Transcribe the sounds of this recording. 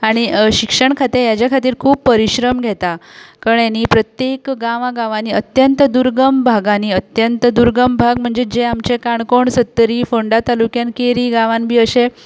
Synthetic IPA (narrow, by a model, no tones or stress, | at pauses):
aɽ̃iɕikʂəɳkʰat̪ijad͡ʑjakʰat̪iːɾkʰuːbpːəɾiɕɾəmɡʱɛt̪akəɳjaniːpɾət̪jekɡãʋãɡãʋaniːət̪jənt̪d̪uɾɡəmbʱaɡaniːət̪jənt̪əd̪uɾɡəmbʱaɡm̤əɳd͡zed͡ʑeamt͡ɕekaɳkoɳsət̪ːəɾiːfoɳɖat̪alukjãnkeɾiːɡãʋãnbʱiːəse